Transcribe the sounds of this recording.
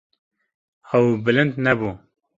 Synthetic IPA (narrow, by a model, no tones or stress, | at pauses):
ɐwbɨlɨ̃nd̪nɛbuː